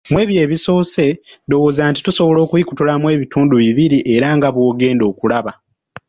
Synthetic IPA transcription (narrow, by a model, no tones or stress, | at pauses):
mwe̞ːβje̞ːβiso̞ːse̞do̞woːzaːnti̥tuso̞βolo̞ːkuiku̥tulamwe̞ːβituːnduβiβiɾiʔe̞ɾaŋɡaβwo̞ːɡe̞ːndo̞ːkulaβa